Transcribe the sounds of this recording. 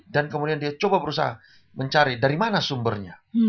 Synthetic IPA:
dankəmudiandiat͡ʃobabəɾusa̰a̰ | məɲt͡ʃaɾidaɾimanasumbərɲa

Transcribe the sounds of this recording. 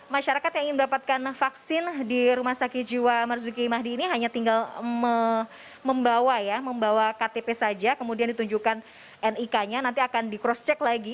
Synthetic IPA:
maʃaɾakat̪jaŋiŋɪnmədapat̪̚kanfaksɪndiɾumahsakid͡ʒiwamərzukimaɦdiːniɦaɲat̪iŋɡalmə | məmbawajaməmbawakat̪epesad͡ʒakəmudiandit̪uɲd͡ʒukan | ʔɛnikaɲanant̪iakandikɾɔst͡ʃɛklaɡi

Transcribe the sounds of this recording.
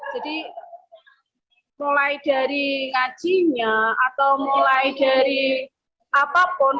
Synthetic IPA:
d͡ʒ̥a̤di | mulaid̥a̤ɾiŋḁʒ̥iɲaat̪awmulaid̥a̤ɾi | apapʊn

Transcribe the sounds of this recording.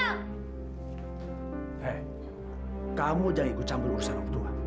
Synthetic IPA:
hɛ | kamud͡ʒaŋiʔkut͡ʃambʊt̪ursanɔk̚t̪ua

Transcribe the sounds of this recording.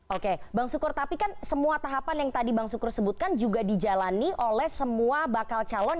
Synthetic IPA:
ʔokebaŋsukʊrt̪apikansəmuat̪aɦapanjaŋt̪adibaŋsukʊrsəbut̪̚kand͡ʒuɡadid͡ʒalaniʔolɛhsəmuabakalt͡ʃalɔn

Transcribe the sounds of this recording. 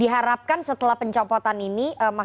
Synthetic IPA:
iɦaɾap̚kansət̪əlahpəɲt͡ʃɔpɔt̪aniniʔəma

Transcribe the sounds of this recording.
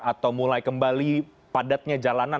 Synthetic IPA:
at̪awmulajkəmbali | padat̪̚ɲad͡ʒalana

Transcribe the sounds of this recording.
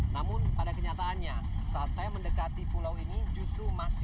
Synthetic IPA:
namʊnpadakəɲat̪aːnɲasaat̪̚sajaməndəkat̪ipulawinid͡ʒust̪ɾumasɪ

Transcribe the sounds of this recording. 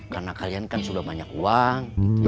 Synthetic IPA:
karnakaliankansudahbaɲakuaŋ

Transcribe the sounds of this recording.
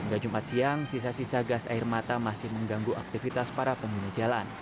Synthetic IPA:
əŋɡad͡ʒumat̪̚siaŋsis̬asisaɡasa̰ɪrmat̪amasɪhməŋɡaŋɡuʔa̰k̚t̪ifit̪aspaɾapəŋɡunad͡ʒalan

